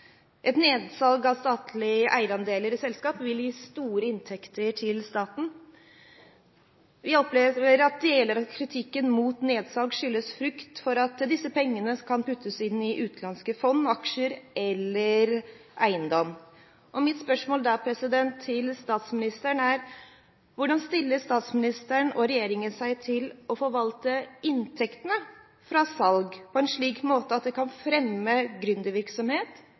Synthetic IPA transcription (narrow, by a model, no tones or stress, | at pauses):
ʔɛt̪neːd̪sɑlɡɑʋst̪ɑːt̪ʰlɪəʔæɪəɾɑnd̪eːləɾɪsɛlskɑːpʋɪljiːst̪uːɾəɪnt̪ʰɛkt̪əʈʰɪlst̪ɑːt̪n̩ | ʋɪɔpleːʋəəɾɑt̪̚d̪eːləɾɑt̪kʰɾɪt̪ʰɪkːənmuːt̪neːd̪sɑlɡʂʏlːəsfɾʏkt̪fɔɾɑt̪d̪ɪsəpʰɛŋːənəkʰɑnpʉt̪ʰːəsɪnːɪʔʉːt̪lɑnskəfɔnːɑkʂəɾɛlːəɾ | ʔæɪənd̪ɔm | ʔɔmɪt̪spœʂmoːld̪ɑpʰɾɛsɪd̪ɛnt̪ʰːɪlst̪ɑːt̪smɪnɪst̪əɳæɾ | ʋʊɖɑnst̪ɪlːəst̪ɑːt̪smɪnɪst̪əɳɔɾɛjeːɾɪŋənsæɪt̪ʰɪlɔfɔɾʋɑlt̪əɪnt̪ʰɛkt̪ənə | fɾɑsɑlɡpʰɔɛnʂɭiːkmoːt̪əɑt̪̚d̪ɛkʰɑnfɾɛmːəɡɾʉnd̪əʋɪɾksɔmheːt̪